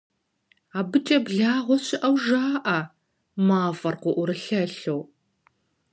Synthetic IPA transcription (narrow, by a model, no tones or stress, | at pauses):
aːbɨt͡ʃʼɐbɮaːʁʷɔɕɪʔɐwʒaːʔɐ | maːfɐrqʷʊʔʷʊɾɨɬɐɬow